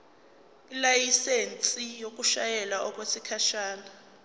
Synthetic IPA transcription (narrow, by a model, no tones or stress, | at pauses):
ilajisent͡sʼijok̬ʼuʃajɛlaʔɔk̬ʼwesikʰaʃaːna